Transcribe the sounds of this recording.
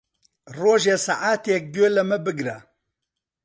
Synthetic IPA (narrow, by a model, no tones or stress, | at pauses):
roːʒeːsaʔaːt̪ek̚d̪eːlɐmɨbɨɡɾa